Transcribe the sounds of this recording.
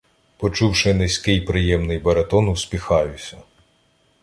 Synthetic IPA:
pɔt͡ʃuwʃɪnɪsʲkɪjpɾɪjɛmnɪjbɐɾet̪ɔnuwsʲpʲixɑjʊsʲɐ

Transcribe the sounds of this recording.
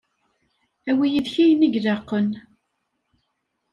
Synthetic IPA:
æwijiðçijniʝðɑqːən

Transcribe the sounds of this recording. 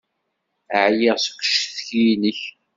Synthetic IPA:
əʕjɪʁsə̥kʷːʃθçinəç

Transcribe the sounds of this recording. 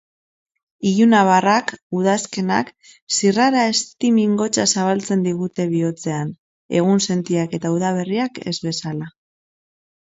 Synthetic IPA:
ijunaβarakuð̞aske̞na̰k | siraɾae̞st̪imiŋɡo̞t͡ʃasaβalt͡se̞nd̪iɣut̪e̞βio̞t͡se̞an | e̞̰ɣ̞unse̞nt̪iake̞t̪auðaβ̞eriake̞zβe̞sala

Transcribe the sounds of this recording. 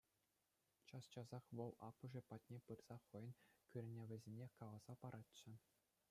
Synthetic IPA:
t͡ɕɑst͡ɕɑzɑχʋɤ̆lˠɑpːɤ̆ʐɘ̆pɑtʲnʲepɯrz̥ɑχɤ̆jɤ̆nkʲyrʲɘ̆nʲĕʋʲɘ̆zʲenʲekɑʋɑz̥ɑpɑɾʔɑtt͡ɕːɘ̆

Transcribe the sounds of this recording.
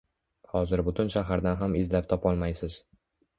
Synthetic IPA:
hɒzɪɾbʊt̪ʰʊnʃaɦaɾd̪anɦamɪzlap̚t̪ʰɒpɒlˠmajsɪz̥

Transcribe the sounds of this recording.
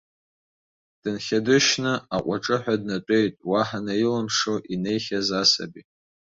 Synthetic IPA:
d̥ɨnχʲadɨʃnɨaqʷʼaʈ͡ʂʼɨħʷᶣadnatʷʼe̞jtʼwaħanailamʂoʔine̞jχʲazasa̰bi

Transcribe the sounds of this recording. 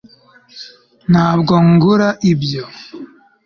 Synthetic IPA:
nhaːbɡoŋɡuɾaʔibjo

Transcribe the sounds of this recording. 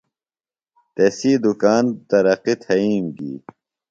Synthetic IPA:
t̪esiːd̪ukaːnt̪ɐɾɐqit̪ʰhɐiːmɡḭː

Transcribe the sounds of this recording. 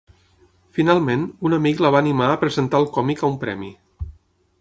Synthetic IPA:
finalˠmenunəmikləβ̞aːnimaəpɾəzənt̪alˠkɔmikəumpɾɛ̰mḭ

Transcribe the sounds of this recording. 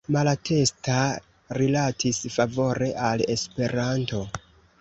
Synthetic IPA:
malatʰe̞sta | ɾilatʰisfavo̞ɾe̞ʔale̞spe̞ɾanto̞

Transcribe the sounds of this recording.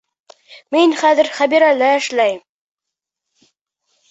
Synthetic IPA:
minχæðɘ̆ɾχæbiɾælæɘ̆ʃlæjm

